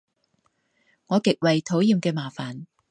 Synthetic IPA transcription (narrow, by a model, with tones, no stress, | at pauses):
ŋɔː˨˧kɪ˨k̚wɐ˨jt̪ʰo˨˥wjiː˨˧mkɛː˧maː˨˩faː˨˩n